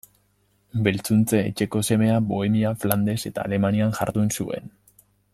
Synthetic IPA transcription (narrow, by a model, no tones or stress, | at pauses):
be̞lt͡sunt͡se̞̰ːt͡ʃe̞ko̞se̞me̞abo̞e̞miafland̪e̞se̞t̪a̰ːle̞manianʝa̰ɾðuensue̞̰n